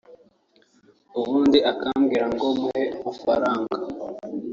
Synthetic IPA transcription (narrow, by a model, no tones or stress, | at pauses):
uβuːndiʔakamɡiːɾaŋɡomuhemufaɾaːŋɡa